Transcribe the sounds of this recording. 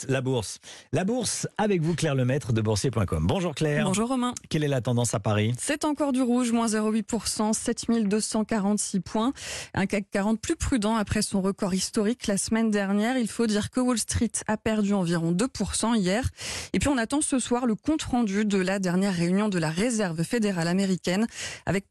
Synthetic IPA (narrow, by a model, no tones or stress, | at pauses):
labuʁslabuʁsavɛkvuklɛʁləmɛt̪χəd̪əbuʁsjepwɛ̃kɔmbɔ̃ʒuʁklɛːʁbɔ̃ʒuʁːɔmɛ̃kɛlɛlat̪ɑ̃d̪ɑ̃sapaʁisɛt̪ɑ̃kɔʁd̪yʁuʒmwɛ̃zeʁoɥipuʁsɑ̃sɛt̪mild̪øsɑ̃kaʁɑ̃t̪sipʰwɛ̃ʔɛ̰̃kakaʁɑ̃t̪plypχyd̪ɑ̃apχɛsɔ̃ʁəkɔʁist̪ɔʁiklasəmɛnd̪ɛʁnjɛʁilfod̪iʁkəwɔlst̪χit̪apɛʁd̪yɑ̃viʁɔ̃d̪əpuʁsɑ̃ijɛʁepɥiɔ̃nat̪ɑ̃səswaʁləkɔ̃t̪χɑ̃d̪yd̪əlad̪ɛʁnjɛʁːeynjɔ̃d̪əlaʁezɛʁvfed̪eʁalameʁikʲɛna̰vɛk̚